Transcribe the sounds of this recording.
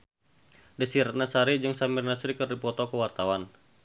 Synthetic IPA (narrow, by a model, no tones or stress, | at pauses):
dəsiɾanasaɾid͡ʒɨŋsamirnasɾikɨrdipɔt̪ɔkəwart̪awan